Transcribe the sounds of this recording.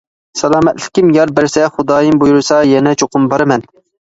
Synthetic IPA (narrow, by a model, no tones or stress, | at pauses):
sɛlˠɑːmɛt̪lɪ̥kʲimjɑɾbæɾsɛχʊd̪ɑːjɨmbojuɾɨsɑjɛnɛt͡ʃʰoqʊmbɑɾɨmɛn